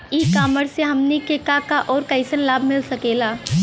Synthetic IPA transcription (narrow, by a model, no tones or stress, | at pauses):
iːkaːməɽseɦɐmnikekakaʔɔːɾkɐɪsənlaːbʱmɪlsɐkeːlaː